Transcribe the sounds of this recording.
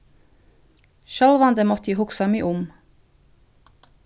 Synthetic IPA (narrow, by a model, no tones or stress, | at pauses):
ʃɑlʋɑnd̪əmɔt̪iːhʊksɑmiːʔʊm